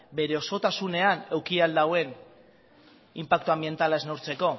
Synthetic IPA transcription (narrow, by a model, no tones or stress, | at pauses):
be̞ɾe̞o̞so̞t̪asune̞ane̞wkiald̪awe̞n | impak̚t̪uambie̞nt̪alae̞znowɾt͡se̞ko̞